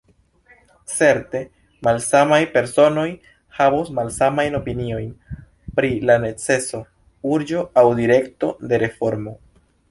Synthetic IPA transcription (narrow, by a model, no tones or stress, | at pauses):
t͡se̞ɾte̞ | malsamajpe̞ɾso̞no̞j | havosmalsamajno̞pinio̞jn | pɾilane̞t͡se̞so̞ | uɾd͡ʒo̞awdiɾe̞kto̞̰de̞ɾe̞fo̞ɾmo̞